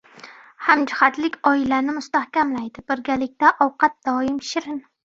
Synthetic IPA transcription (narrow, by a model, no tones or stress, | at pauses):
hamd͡ʒɪχat̪lɪkʲɒɪlanɪmʊst̪ahkʲamlajd̪ɪb̥ɪɾɡʲalɪk̚ʲt̪aʔɒwqʰɑt̪̚d̪̥ɒɪmʃɪɾɪn